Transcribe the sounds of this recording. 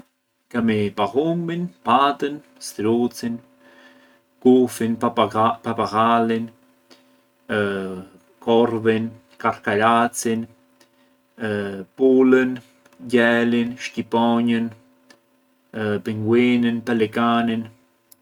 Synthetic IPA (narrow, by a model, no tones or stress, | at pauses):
kamipaɣuminpat̪ən | st̪ɾut͡sin | kufinpapaɣalin | koɾvin | kaɾkaɾat͡sin | pulən | ɟɛlinʃcipɔɲən | piŋɡwinənpalɛkanin